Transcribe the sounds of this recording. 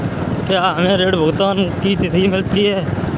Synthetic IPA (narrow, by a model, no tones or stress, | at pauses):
kjaɦəmẽːɾeːɖbʱʊɡt̪aːnkit̪ɪt̪imɪlt̪iɦɛː